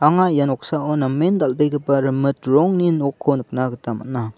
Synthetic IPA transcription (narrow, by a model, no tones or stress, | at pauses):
aŋajanɔk̚saɔnamːend̪albeɡɯpaɾɯmɯtɾɔŋninɔkʰːɔnɯk̚naɡɯtama̰na